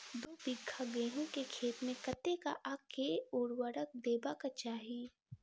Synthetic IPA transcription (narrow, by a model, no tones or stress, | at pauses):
d̪oːb̪ɪɡʰʱaɡeːɦõkekʰeːt̪mẽkɐt̪eka̰ʔakʰeʊːɽwəɾək̚d̪eːbakat͡ʃaːɦiː